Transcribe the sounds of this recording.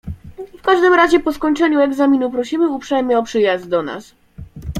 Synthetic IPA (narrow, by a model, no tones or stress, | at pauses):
fkaʐd̪ɘmɾaʑɛpɔskɔɲt͡ʂɛɲuɛɡzamʲinupɾɔɕimɘupʂɛjmɘɔpʂɘjazd̪̚d̪ɔna̰s